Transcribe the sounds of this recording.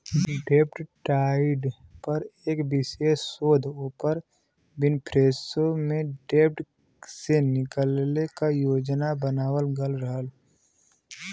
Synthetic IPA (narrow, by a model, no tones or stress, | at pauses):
ɖeːpʈʈaːɪɖpəɾeːkbɪsesoːd̪ʱoːpəɾ | bɪnpʰɾeːsomẽɖeːp̚ʈ | senɪkəlnekajoːd͡ʒnabənaːwəlɡəlɾəɦəl